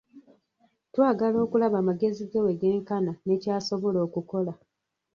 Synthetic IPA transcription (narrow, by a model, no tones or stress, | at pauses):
twaːɡalo̞ːkulaβaːmaɡe̞ziɡewe̞ɡe̞ːŋkanane̞ːcaːso̞βo̞lo̞ːkuko̞la